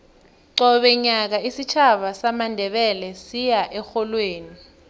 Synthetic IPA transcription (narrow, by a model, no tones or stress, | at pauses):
ɔɓɛɲak̬aisit͡ʃʰaɓasamandʱɛɓɛlɛsijaʔɛxɔlweːni